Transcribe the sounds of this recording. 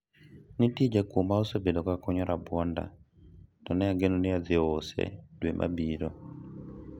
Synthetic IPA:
nitid͡ʒakomaɔsɔbedɔkakɔɲɔɾabwɔnda̰ | nɔnɛaɡenunɪad̪ɪɔsɛ̰dwemʔa̰biɾɔ

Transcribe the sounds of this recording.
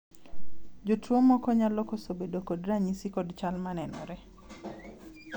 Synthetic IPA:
d͡ʒotuomɔkɔɲalɔkosobedokodraɲisikodt͡ʃalmanɛnɔ̰ɾɛ

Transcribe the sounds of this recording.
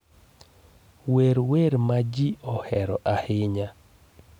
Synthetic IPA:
weɾweɾmad͡ʒiʔɔhɛɾɔʔahɪɲa

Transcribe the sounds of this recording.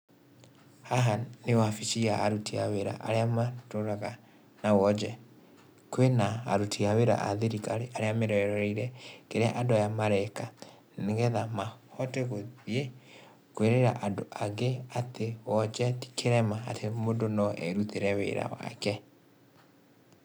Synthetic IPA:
haɦanewafit͡ʃiaaɾutiaweɾa̰ʔaɾeamatoɾaɣa | nawɔd͡ʒɛ | kwena̰ːɾutʰiaweɾa̰ʔa̰ðeɾikaɾeʔaɾeameɾɔɛɾɔɾɛiɾɛkeɾeaʔadoajamaɾɛka | neɡɛðamahɔteɣoðie | kweɾeɾaʔadoʔaɡeatewɔd͡ʒɛti̥kʰeɾɛmaːtʰemondonɔʔɛ̰ɾuteɾɛwḛɾa̰wa̰kɛ

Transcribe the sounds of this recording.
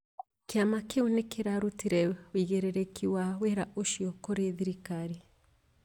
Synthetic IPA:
keamakeonekeɾaɾutiɾɛwiɣeɾɛɾekiwaweɾaʔoʃiɔkoɾeðiɾikaɾi

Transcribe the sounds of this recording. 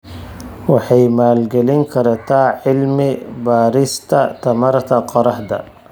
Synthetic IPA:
wɑħɑjmaːlɡɛlɪŋkʰɐɾɐt̪ʰaːʕɪlmɪbaːɾɪst̪ʰɐt̪ʰɐmɐɾt̪ʰɐqɑɾɑħd̪ɐ̰

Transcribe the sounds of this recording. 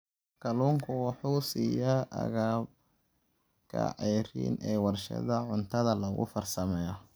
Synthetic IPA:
kʰɐluːŋkʰʊwɑħuːsiːjɐʔɐ̰ɣaːb | kʰɐ̰ʕɛːrḭːnʔɛːwɑrʃɐ̰ðɐʕʊnt̪ʰɐðɐlɐɣʊ̰fɐrsɐmɛːjɔ

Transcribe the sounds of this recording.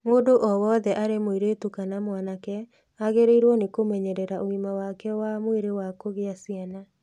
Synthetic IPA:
moːdoʔɔwɔðɛʔaɾemoiɾetukanamwanakɛ | aɣeɾeiɾwɔnekomɛɲɛɾɛɾaʔoimawakɛwamoeɾewakoɣeasjana

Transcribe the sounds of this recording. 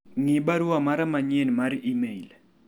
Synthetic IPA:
ŋɪbaɾuamaɾamaɲenmaɾimeil

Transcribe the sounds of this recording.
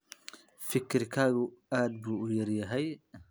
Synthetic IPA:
fɪkʰɪrkʰaːɣʊaːd̪buːʊjɐrjɐɦɛj

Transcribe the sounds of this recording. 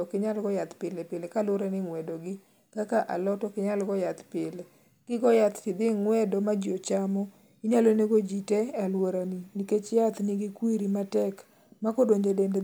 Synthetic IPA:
ɔkɪɲalɡɔjat̪pɪlepɪlekalwoɾaniŋwɛdoɡɪ | kakaʔa̰lɔtɔkɪɲalɡɔjat̪pɪle | ɡ̥ɪɡɔjat̪tɪd̪ɪŋwɛdɔmad͡ʒot͡ʃamɔ | iɲaloneɡod͡ʒitealwoɾaniniket͡ʃjat̪niɡɪkwiɾimatɛk | makodoɲd͡ʒedende

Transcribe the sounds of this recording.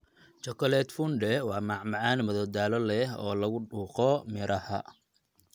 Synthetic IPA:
t͡ʃɔkʰɐlɛd̪fʊnɖɛwɑːmɑʕmɑʕɑːnmɐðɔd̪aːlɔlɛɦɔ̰ːlɐɣʊɖuːqɔmɪɾʔɐhɐ̰

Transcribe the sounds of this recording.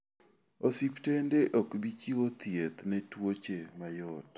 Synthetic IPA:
osiptendeʔokbit͡ʃiwot̪jet̪nɛtwot͡ʃemajɔt

